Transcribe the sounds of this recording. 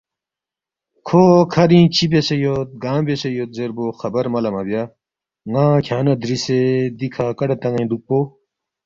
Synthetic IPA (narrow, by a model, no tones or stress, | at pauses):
kʰoːkʰɐɾĩːt͡ɕʰibesejot̪̚ɡãːmbesejoːt̪̚zeɾboːxɐbɐɾmɐlɐmɐbjaː | ŋãːkʰjaːnɐd̪ɾised̪ikʰaːkɐɖɐt̪ɐ̃ŋɐĩd̪uk̚pːoː